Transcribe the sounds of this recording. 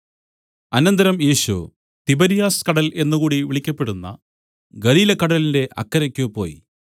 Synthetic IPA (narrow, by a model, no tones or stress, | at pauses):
ɐnɐnd̪ɐɾɐmjeːɕṵ | t̪ibɐɾijaːskɐɽɐle̞nːukuːɽiʋiɭikʲːɐpːeɽunːɐ̰ | ɡɐliːlɐkːɐɽɐlinde̞ʔɐ̰kːɐɾɐkʲːupo̞ːji